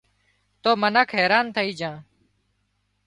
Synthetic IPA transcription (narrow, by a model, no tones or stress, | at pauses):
t̪oːmənaːkʰɦɛːɾaːnt̪ʰəiːd͡ʒãː